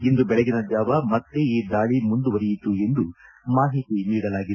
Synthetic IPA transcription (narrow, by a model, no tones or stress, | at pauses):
ind̪ubɛɭɛɡinɐd͡ʒ̪jaːʋɐmɐt̪ːeiːd̪aːɭimund̪uʋɐɾijit̪ːue̞nd̪u | maːɦit̪iniːɽɐlaːɡi